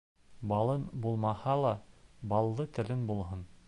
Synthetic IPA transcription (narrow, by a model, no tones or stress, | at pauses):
bɑlˠɤnbulˠmɑhɑlˠɑbɑlˠd̪ɤt̪ɘ̆lɘnbulˠɦɤn